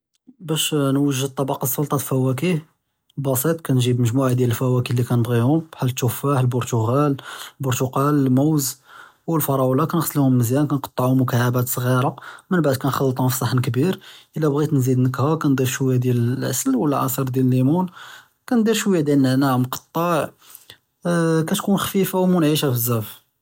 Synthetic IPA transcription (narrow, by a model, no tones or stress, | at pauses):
bæʃnwəʒːəd̪̚t̪ˤːɑbɑqɑsˤːʊlt̪ˤɑt̪lfæwæk̬i | bɑsˤit̪ˤkænʒibməʒmuʕad̪jæləlfæwækilːikænəbɣihʊmb̥ħalːət̪ːufaħlbʊɾt̪uɣælbʊɾt̪uqɑlmuwzwəlfɑɾˤɑwlɑkænxsˤːlhʊmːəzjænkænqɑ̥t̪ˤːəʕʊmʊkaʕabæt̪sˤɣiɾˤɑmənbaʕd̪̚kænxɑlːət̪ˤhʊ̃fi̥sˤɑħːənkbiɾʔəlːæbɣit̪nzid̪nəkhækænd̪ˤiɾʃwjːad̪jæləlʕasəlwəlʕɑ̰sˤəɾˤd̪jæləlːimun | kænd̪ˤiɾʃwjæd̪jælnːəʕnæmqɑ̥t̪ˤːɑʕ | kæt̪kunxfifawmunʕiʃæfəzːæf